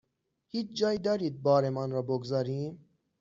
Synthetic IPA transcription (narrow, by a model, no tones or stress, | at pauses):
hiːt͡ʃʰd͡ʒɒːjid̪ɒːɾiːd̪̚bɒːɾemɒnɾɒːboɡzɒːɾiːm